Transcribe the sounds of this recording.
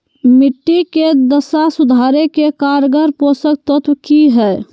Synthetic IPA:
miʈːiked̪əsasud̪ʱaɾekekaɾɡəɾposək̚t̪ət̪ʋkiɦɛ

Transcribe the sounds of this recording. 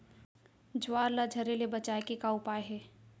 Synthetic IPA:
d͡ʒʊwaːɾlad͡ʒʱɐɾelebɐt͡ʃaːekekaʊpaːjɦɛː

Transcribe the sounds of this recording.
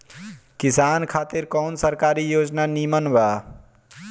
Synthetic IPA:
kisaːnkʰaːt̪iɾkɔːnsəɾkaɾijoːd͡ʒnanimənba

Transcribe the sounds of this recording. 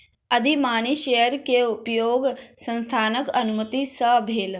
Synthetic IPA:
ɐd̪ʱimaːniʃejəɾkeupjoːɡsɐ̃nst̪ʰaːnəkɐnumət̪isəbʱeːl

